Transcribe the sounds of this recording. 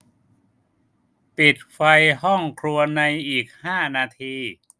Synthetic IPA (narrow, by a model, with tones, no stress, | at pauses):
pi˨˩t̪̚fa˧jɦɔ˥˩ŋkʰɾu˧ɐna˧jʔiː˨˩k̚haː˥˩naː˧t̪ʰiː˧